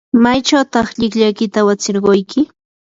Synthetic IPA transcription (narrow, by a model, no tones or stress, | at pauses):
majt͡ʃawt̪ɑχʎɪkʎajkɪt̪awat͡sɪɾɢojkɪ